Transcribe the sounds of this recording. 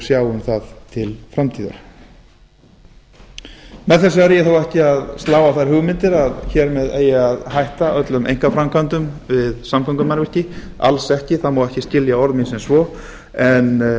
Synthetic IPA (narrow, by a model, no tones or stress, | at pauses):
sjaːwʏmθaðt̪ʰɪlfɾamt̪ʰiːðʏ̰ɾ̥ | mɛðθɛs̬ɪaɾjɪθowɛhcɪaðst̪laːwaθajɾ̥hʏɣmɪnt̪ɪɾaðçɛɾmɛðeːjɪaðhajht̪aʔœt̪lʏmʔḛjŋ̥kafɾamkʰant̪ʏmvɪðsamkʰɔŋkʏmanvr̥cɪ | a̰lsɛhcɪθaðmawɛhcɪscɪljaɔɾðminsɛnsvɔ | ɛn